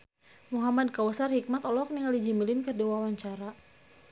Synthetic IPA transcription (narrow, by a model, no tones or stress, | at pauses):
muɦamad̚kawəsarhik̚mat̪ɔlɔk̚niŋalid͡ʒimilɪnkərdiwawaɲt͡ʃaɾa